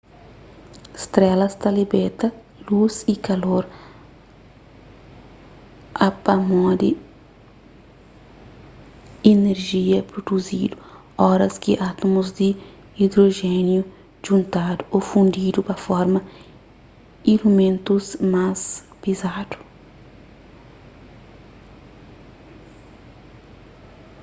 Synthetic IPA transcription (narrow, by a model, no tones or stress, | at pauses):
st̪ɾɛlɐst̪ɐlibet̪ɐ | luzikɐloɾ | ɐpɐmɔ̃d̪i | ineɾʒiɐpɾod̪uzid̪u | ɔɾɐskiʔat̪omuzd̪i | id̪ɾoʒɛnju | ʒ̥ũnt̪ad̪uofũnd̪id̪upɐfɔɾmɐ | iɾumẽnt̪usmas | pizad̪̥u̥